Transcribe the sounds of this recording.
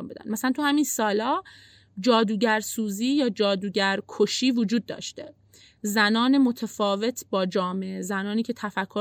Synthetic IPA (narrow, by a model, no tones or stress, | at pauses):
mbed̪æ̰nmæsælænt̪ʰuhæminsɒːlɒː | d͡ʒɒːd̪uːɟæɾsuːziːjɒːd͡ʒɒːd̪uːɟæɾkʰoʃiːvod͡ʒuːd̪̚ːɒ̰ːʃt̪e | zænɒːne̞mo̞t̪ʰæfɒːve̞t̪ʰbɒːd͡ʒɒːmeezænɒːniːcʰe̞t̪ʰæfækʰːo